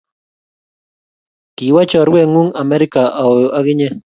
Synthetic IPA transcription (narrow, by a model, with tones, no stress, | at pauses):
ki˨wa˦t͡ʃa˨ɾwe˦˨ŋu˦ŋa˨me˦ɾi˦ka˨ʔa˨wa˦ɣɪ˦ɲe˦